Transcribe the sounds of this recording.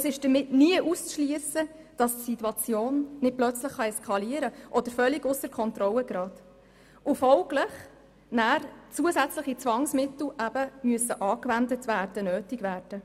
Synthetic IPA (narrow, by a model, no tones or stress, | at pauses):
əsɪʃd̥əmɪtniəʔust͡sʃliəsə | d̥ɑstsituɑt͡sjoːnnɪt̚plœt͡sləχːɑɛskʰɑliəɾəʔɔd̥̪əɾfœlːɪɡʊsəɾkʰɔntɾɔlːəɡ̥ɾɑːd̥ | ʔʊfɔlɡləχ | næːrt͡suəsæt͡sləχit͡sʋɑŋsmɪtl̩ˠʔæb̥əmyəsːəʔɑːkvændətvæːrd̥ənøːtɪɡvæːɾd̥ə